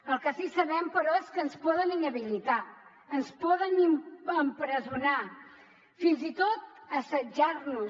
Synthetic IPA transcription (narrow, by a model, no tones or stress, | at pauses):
əlˠkəsisəβɛmpəɾɔeskənspɔðəninəβilit̪a | ənspɔðəniməmpɾəzuna | finzit̪ot̪̚əsəd͡ʒarnu